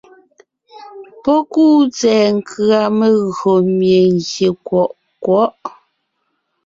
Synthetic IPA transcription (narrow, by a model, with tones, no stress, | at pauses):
pɔ˦kuː˦˨t͡sɛː˨ŋ̩˦kʰɰa˨me˨ɣo˨mje˨ŋ˨ɡje˨kwɔ˨ʔ | kwɔ˨˦ʔ